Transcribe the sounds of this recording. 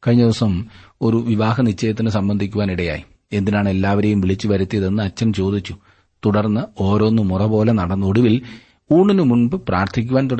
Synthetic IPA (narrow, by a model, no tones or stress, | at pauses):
kɐɻiɲːɐd̪iʋɐsɐmo̞ɾuʋiʋaːɦɐnit͡ɕːɐjɐt̪ːinɨsɐmbɐnd̪ʱikʲːuʋaːniɽɐja̰ːji | e̞nd̪inaːɳe̞lːaːʋɐɾe̞jumʋiɭit͡ɕːuʋɐɾut̪ːijɐðe̞nːɨɐt͡ɕːɐnt͡ɕo̞ːd̪it͡ɕːu | t̪uɽɐrnːɨo̞ːɾo̞nːɨmurɐbo̞ːle̞nɐɽɐnːo̞ɽuʋil | uːɳːinɨmunbɨpraːrt̪ʰikʲːuʋaːnt̪uɽɐ